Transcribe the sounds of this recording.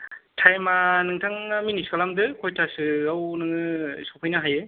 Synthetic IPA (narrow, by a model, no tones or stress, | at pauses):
tʰajmanɯŋtʰaŋaminiskalamdɯkʰojtʰasɯawnɯŋɯsapʰɯjnɯɦajɯ